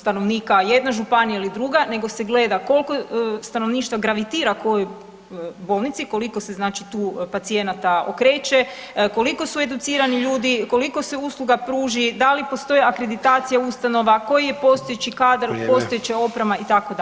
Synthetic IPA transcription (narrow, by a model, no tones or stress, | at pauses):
st̪ano̞ʋniːkaje̞d̪naʒupanijailid̪ɾuɡane̞ɡo̞se̞ɡle̞ːd̪ako̞lˠko̞st̪ano̞ʋniːʃt̪ʋaɡɾaʋit̪iːɾako̞joj | bo̞ːlˠnit̪siko̞liko̞seznaːt͡ʃit̪uːpat̪sije̞nat̪ao̰kɾe̞ːt͡ʃeko̞liko̞sue̞d̪ut̪siːɾaniʎuːd̪iko̞liko̞seuslˠuɡapɾuːʒid̪alipo̞st̪o̞jeakɾe̞d̪it̪aːt̪sijaust̪ano̞ʋako̞jijepo̞st̪ojet͡ɕikaːd̪ɾpo̞st̪ojet͡ʃeo̞pɾemait̪ako̞d̪a